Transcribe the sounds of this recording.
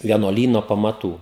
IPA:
ʋʲiɛnuɔˈlʲiːnoː pɐmɐˈtuː

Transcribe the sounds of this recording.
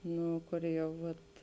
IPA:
ˈnʊ ˈkʊr ˈjɛʊ ˈʋɐt

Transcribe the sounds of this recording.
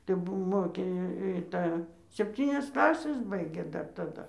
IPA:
tɐɪ ˈbʊʋoː ˈmoːkʲeː ɪ ɪ ˈtɑː sʲɛpʲˈtʲiːnʲɛs ˈklˠɑːsʲɛs ˈbɐɪɡʲeː dɐr tɐˈdɐ

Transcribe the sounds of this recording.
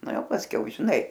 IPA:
ˈnɐ ˈjɛʊ pɐsʲˈkʲɛʊ ʒʲɪˈnɐɪ

